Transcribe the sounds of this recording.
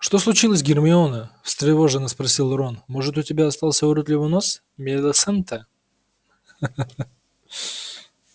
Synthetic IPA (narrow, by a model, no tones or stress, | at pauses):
ʂt̪o̞slˠʊt͡ɕilˠəsʲɡʲɪrmʲɪonəfst̪ɾʲɪvo̞ʐɨnəspɾɐsʲilˠɾonmoʐɨt̪ʊtʲɪbʲaɐst̪ɑlˠsʲəʊɾot̪lʲɪvɨnos | mʲed̪əsɛnt̪ʰə